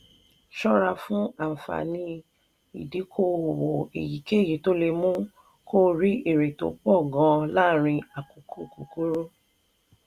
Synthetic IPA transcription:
ʃɔ˦ɾa˧fũ˦a˦˨m̩˨fa̰˨nĩ˧ | i˨di˨˦kʰo˦˨wo˨ḛ˨ji˨ke˦˨ji˨˦to˦le˧mũ˦ | ko˦ɾi˦ʔe˨ɾe˨to̰˨k͡pɔ˦˨ɡɔ̃˧la˦˨ɾ̃ĩ˧a˨ko˨kʰo˦˨ko˨ku˦ɾo˦

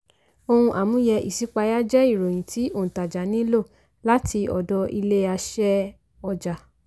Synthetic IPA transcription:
o˧hũ˧ʔa˨mũ˨˦jɛ˧ʔḭ˨si˨˦k͡pa˧ja˦d͡ʒɛ˦i˦˨ɾo˨j̃ĩ˨tʰi˨˦õ˦˨ta˨d͡ʒa˨nĩ˨˦lo˦˨ | la˦ti˧ɔ̰˨dɔ˧i˧le˦a˧ʃɛ˦ | ɔ˧d͡ʒa˨

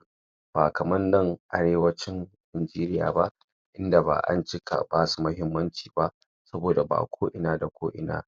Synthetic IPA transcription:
b̥aː˨kɐ˨mɐ˦nːɐ˨ŋʔa̰˨˦ɽeː˦wɐ˦t͡ʃɪ˦ŋ | ʔɪ˨nd͡ʒiː˦ɾɪ˦ja̰ː˨ba˦ʔ | ʔɪ˦nda˨ba̰ː˨ʔa̰˦nt͡ʃɪ˦kʰa̰˨baː˦su˨mɐ˦ɦɪ˦mːɐ˦nt͡ʃi̥ː˨ba˦ʔ | sɐ˦boː˨da˨ba̰ː˨kʷʰoː˦ʔɪ˨naː˦da˨kʷʰoː˦ʔɪ̰˨na̰ː˦

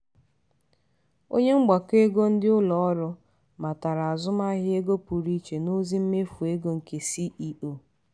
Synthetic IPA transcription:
o̰˦ɲe˦ŋ͡m̩˦ɡ͡ba˨ke˦ɡo˦n̩˦dɪ˦ʊ˦lɔ˨ɔ˦ɾʊ˦ | ma˨ta˨ɾa˨a˨zʊ˦ma˦ɦɪ˦e˦ɡo˦pu˨ɾi˦t͡ʃe˨no˦zi˦m̩˦me˦fu˨e˦ɡo˦ŋ̩˨ke˨si˦ʔi˦o˨

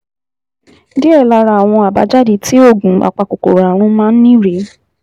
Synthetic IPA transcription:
di˦ɛ˦˨la˧ɾa˨w̃ɔ̃˧a˨ba̰˨˦d͡ʒa˦di˧˦ti˦o˦˨ɡũ˨a̰˨k͡pa˧ko˨ko̰˨ɾa˨ɾ̃ũ˧˦mãː˦n̩˦nĩ˦ɾe˨˦

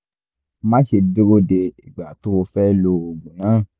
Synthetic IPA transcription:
mã˦ʃe˧bi˦ɾo˦de˧i˨ɡ͡ba˨to˦o˧fɛ˦lo˧o˧˨ɡũ˨nãː˨˦˨

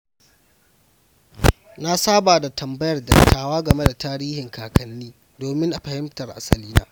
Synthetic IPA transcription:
na˦saː˦baː˨da˨tʰɐ˨mbɐ˦jɐ˨rdɐ̰˨tːaː˦waː˦ɡɐ˨me˦da˨taː˦ɾiː˦hɪ˨ŋkaː˨kɐ˨nːiː˦ | doː˨mɪ˦ŋʔa˨ɸɐ˨hɪ˦mtɐ˨rʔa̰˨sɐ̰˨liː˦na̰ː˦

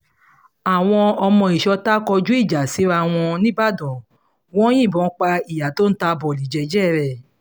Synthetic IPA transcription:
a˨w̃ɔ̃˧ɔ˧mɔ̃˧i˨ʃɔ˧ta˦kɔ˧d͡ʒu˦i˦˨d͡ʒa˨si˨˦ɾa˧˦w̃ɔ̃˧nĩ˦ba˦˨dɔ̃˨ | wɔ̃˦j̃ĩ˦˨bɔ̃˨˦k͡pa˧i˨ja˨to˦n̩˦ta˧bɔ˨li˨d͡ʒɛ˧˨d͡ʒɛ˦˨ɾɛ˨

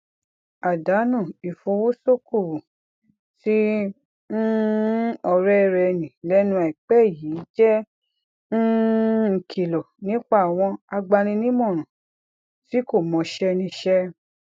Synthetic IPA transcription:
a˨da˨˦nũ˦˨i˨fo˧wo˦so˦ku˦˨ | ti˦ | n̩˦ | ɔ˧ɾɛ˦˧ɾɛ˧nĩ˨lɛ˦nũ˧˦a˨i˨k͡pɛ˦˨ji˨˦d͡ʒɛ˦ | n̩˦ŋ̩˧˨kʰi˧˨lo˨nĩ˨˦k͡pa˦˨w̃ɔ̃˧a˧ɡ͡ba˧nĩ˧nĩ˦mɔ̃˦˨ũ˨ | ti˨˦ko˦˨mɔ̃˨˧ʃɛ˦nĩ˧ʃɛ˦

